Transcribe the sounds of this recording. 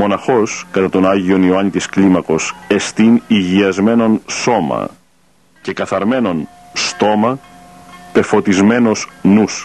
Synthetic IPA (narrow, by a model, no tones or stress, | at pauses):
mo̞nɐxo̞skɐt̪ɐt̪o̞nɐʝio̞nioɐnit̪isklimɐko̞se̞st̪iniʝiɐzme̞no̞nso̞mɐ̰ | ce̞kɐθɐɾme̞no̞n | st̪o̞mɐ | te̞fo̞t̪izme̞no̞snus